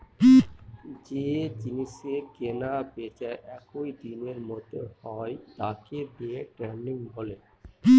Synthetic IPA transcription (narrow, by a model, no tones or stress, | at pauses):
d͡ʑed͡ʑiniʃekenabet͡ɕaʔɛkoid̪ineɾmɔt̪ohɔet̪akebeeʈɾɛnniŋɦole